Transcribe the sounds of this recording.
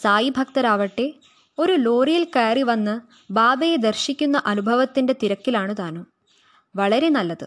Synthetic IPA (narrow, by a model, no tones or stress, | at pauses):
saːjibʱɐk̚t̪ɐɾaːʋɐʈːe̞ | o̞ɾulo̞ːrijilkeːriʋɐnːɨ | baːbɐjed̪ɐrɕikʲːunːɐʔɐnubʱɐʋɐt̪ːindet̪iɾɐkːilaːɳɨðaːnɨ | ʋɐɭɐɾe̞nɐlːɐðɨ̰